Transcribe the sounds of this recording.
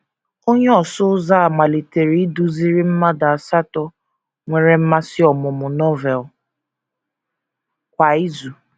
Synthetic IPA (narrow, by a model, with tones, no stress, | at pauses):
o˦ɲe˦ɔ˨sʊ˦za˦a˨ma˨li˨te˨ɾi˦i˦du˦zi˦ɾi˦m̩˦ma˦da˨a˨sa˦tɔ˦ | ŋʷe˨ɾe˨m̩˦ma˦sɪ˦ɔ˨mʊ˨mʊ˨nɔ˦vɛ˨l | kʷa˨i˦zu˨